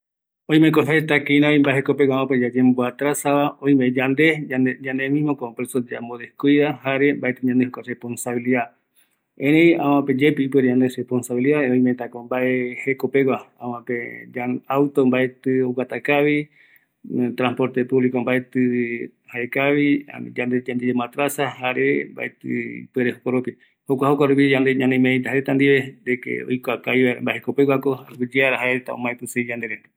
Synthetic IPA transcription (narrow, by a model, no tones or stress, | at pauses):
õj̃mẽkoɦaet̪akeĩnãoĩmbaeɦekopeɡʷawãp̬ed͡ʒad͡ʒemboat̪ɾasaβaõj̃med͡ʒand̪e̞ad͡ʒãnd̪emĩmokopɾesod͡ʒamboðekuiðahaɾembaet̪ɨɲãnd̪ehokarehpo̞nsaβiliða | ẽɾej̃ã̰wãped͡ʒepiipɨeɾeɲand̪eɾehponsaβiliðaõĩmẽt̪akombaehekopewaãwãped͡ʒaawt̪ombaet̪ɨowat̪akaβi | t̪ɾãspo̞ɾt̪epuβlikombaet̪ɨ | haekaβid͡ʒand̪ed͡ʒand̪ed͡ʒemãt̪ɾasahaɾemba̰ʔet̪ɨ̰ḭpueɾehokʷaɾupi | hokʷahokʷaɾupid͡ʒãnd̪eɲãnemẽẽt̪aɦaɾet̪and̪iβed̪ekḛo̰jkʷakajβaeɾembaeheko̞pewakoaɡid͡ʒeaɾaɦaet̪a̰õ̰mãẽp̪ɨsed͡ʒãnd̪e̞ɾend̪ḁ